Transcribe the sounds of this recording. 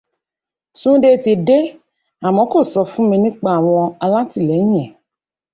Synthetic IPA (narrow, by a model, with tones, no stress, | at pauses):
sũ˦de˦˧ti˨de˦ | a˨mɔ̃˨˦ko˦˨sɔ˧fũ˦mĩ˧nĩ˦k͡pa˦˨a˨wɔ˧a˧la˦ti˦˨lɛ˨˦ɲ̃˦ɛ̃˨